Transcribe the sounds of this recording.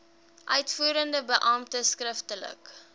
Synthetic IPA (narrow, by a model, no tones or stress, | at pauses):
ʔœɥtfuːɾəndəbəʔɑːmtəskrəftələ̰k